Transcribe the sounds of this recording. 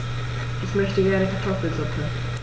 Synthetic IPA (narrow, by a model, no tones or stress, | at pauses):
ʔɪçmœçtəɡɛɐnəkatʰɔfl̩zʊpə